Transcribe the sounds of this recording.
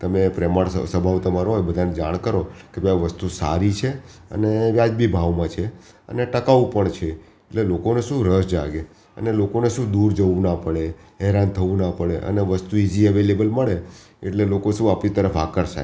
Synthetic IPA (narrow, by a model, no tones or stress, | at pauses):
t̪əmepɾɛməɽsə̰səbʱaʋt̪əmaɾoɦojbəd̪ʱaned͡ʒaɽ̃kəɾokebaʋəst̪usa̰ɾit͡ʃʰe | ə̰neʋjad͡ʒbʱibʱaʋmãt͡ʃʰe | ə̰neʈəkaʋũpəɳt͡ʃʰe | eʈlelokoneʃũɾəsd͡ʒa̰ɡe | ə̰nelokoneʃũd̪uɾd͡ʒəʋũnapəɭeɦɛɾant̪ʰəʋũnapəɭeʔə̰neʋəst̪uid͡ʒiəʋelebəlməɭe | ḛʈlelokoʃũapɽit̪əɾəfa̰kəɾʃa̰